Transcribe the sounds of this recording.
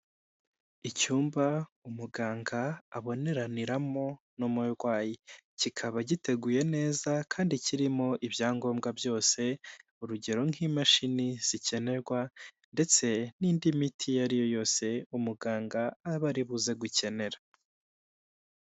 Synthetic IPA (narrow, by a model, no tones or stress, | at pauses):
icuːmbaumuɡaːŋɡaːβo̞ne̞ɾaniɾamo̞ | numuɾɡwaːjicikʰaβaɟite̞ɡuje̞ne̞ːzakʰaːndiciɾimo̞ʔibjaːŋɡo̞ːmɡabjo̞ːse̞ | uɾuɟe̞ɾo̞ŋ̥imaʃiniz̥ice̞ne̞ɾɡwa | nde̞t͡se̞niːndimitʰijaɾijo̞jo̞ːse̞umuɡaːŋɡaːβaɾiβuze̞ɡuce̞ne̞ɾa